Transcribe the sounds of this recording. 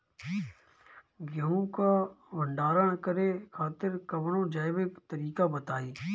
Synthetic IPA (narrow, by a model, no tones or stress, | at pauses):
ɡəɦũkabʱəɳɖaːɾəɳ̃kəɾekʰaːt̪ɪɾkəbɽ̃õd͡ʒaːɪʋɪkt̪əɾiːkabət̪aːiː